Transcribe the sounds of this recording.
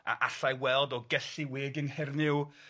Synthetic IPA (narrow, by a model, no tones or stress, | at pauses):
a̰ʔaɬajwɛlˠdɔɡɛɬiwɪːɡɪnhɛrnɪw